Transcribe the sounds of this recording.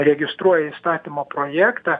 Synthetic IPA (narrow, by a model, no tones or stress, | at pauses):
ɾʲɛɡʲɪst̪ɾuɔjɛist̪ɑːt̪ʲɪmoːpɾoːjæːkt̪ɑː